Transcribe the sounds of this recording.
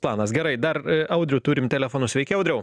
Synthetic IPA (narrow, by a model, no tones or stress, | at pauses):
plˠɑːnɐsɡʲɛɾɐɪd̪ɐɾɐʊd̪ʲɾʲʊt̪uːɾʲɪmt̪ʲɛlʲɛfoːnʊsʋʲɛɪkʲɪɐʊd̪ʲɾʲɛʊ